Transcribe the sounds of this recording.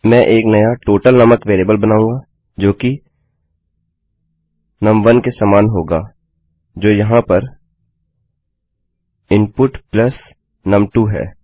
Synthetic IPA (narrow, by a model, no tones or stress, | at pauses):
mɛ̃ʔeːknɐjaʈoːʈəlnɐməkʋeːleːbəlbɐnaːũːɡaː | d͡ʒoːki | nɐ̃mʋɐnkesaːmaːnɦoːɡaː | d͡ʒoːjɐɦãpɐɾ | ɪ̃npʊʈplɐs | nɐ̃mʈuɦɛ̰ː